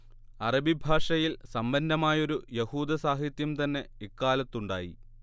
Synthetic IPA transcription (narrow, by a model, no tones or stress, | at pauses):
ɐrɐbibʱaːʂɐjilsɐmbɐnd̪ɐmaːjo̞ɾujehuːd̪ɐsaːɦit̪jɐmt̪ɐnːe̞ekːaːlɐt̪ːuɳɖa̰ːjḭ